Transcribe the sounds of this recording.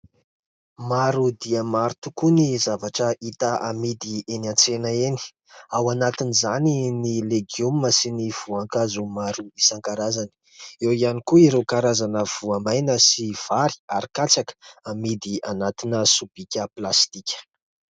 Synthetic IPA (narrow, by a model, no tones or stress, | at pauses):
maɾud̪iəmaɾut̪ukunizavaʈ͡ʂəʔit̪aʔamid̪ienant͡senəeni̥ | awanat̪inizaninileɡiumːəsiniv̥uaŋkazumaɾumisaŋkaɾazani̥ | ewianikuiɾewkaɾazanəv̥uamajnəsiv̥aɾi̥aɾikat͡sakə̥amid̪ianat̪inəsub̥ikʲəplast̪ikʲə̥